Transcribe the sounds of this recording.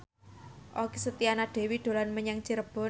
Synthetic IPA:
ʔokisət̪ianaɖ̪̥e̤wiɖ̪̥o̤lanməɲaŋt͡ʃiɾəb̥ɔ̤

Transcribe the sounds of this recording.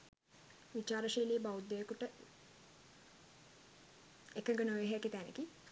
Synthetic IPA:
ʋit͡ʃaːɾəʃiːliːbaud̪ːojekuʈə | ekəŋɡənojeɦkit̪ænḛki

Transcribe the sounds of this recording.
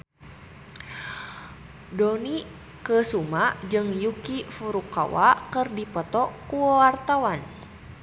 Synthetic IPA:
dɔni | kəsumad͡ʒɨŋjukifuɾuka̰wakərdipɔt̪ɔkuwart̪awan

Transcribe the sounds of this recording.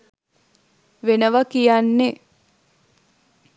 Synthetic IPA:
ʋenəʋəkijanːe

